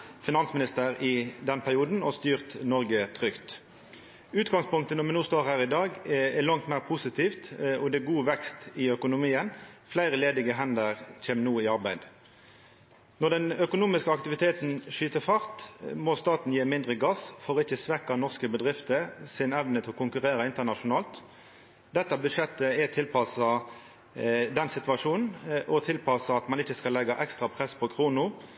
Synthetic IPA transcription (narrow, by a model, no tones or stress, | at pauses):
fɪnɑnsmɪnɪst̪əʁɪd̪ɛnpʰæʁɪuːd̪n̩ɔst̪yːʁt̪nɔʁɡət̪ʰʁʏkt̪ | ʉːt̪ɡɑŋspʊŋk̚t̪ənɔmɛnuːst̪oːʁhæːʁɪd̪ɑːɡɛlɑŋt̪mæɪʁpʰʊsɪt̪ʰiːft̪ɔd̪ɛɛɡuːʋɛkst̪ɪœkʊnʊmiːənflæɪʁəleːd̪ɪɡəɦɛnd̪əʁc͡çʰeːmnuːɪɑʁbæɪd̪ | nɔd̪ɛnœkʊnuːmɪskəɑkt̪ɪʋɪt̪ʰeːt̪n̩ʃyːt̪əfɑʁt̪mɔst̪ɑːt̪n̩jeːmɪnd̪ʁəɡɑsfɔʁɪçːəsʋɛkːɑnɔʁskəbəd̪ʁɪft̪əsɪnɛʋnət̪ʰɪlɔkʊŋkʉʁeːʁəɪnt̪əʁnɑʂʊnɑːlt̪ | d̪ɛt̪ːəbʉʃɛt̪ːəɛt̪ʰɪlpʰɑsɑ | d̪ɛnsɪt̪ʋɑʂuːnn̩ʔɔt̪ʰɪlpɑsɑɑt̪mɑnɪçəskɑlːɛɡːɑʔɛkst̪ʁɑpʰʁɛspʰɔkʰʁuːnʊ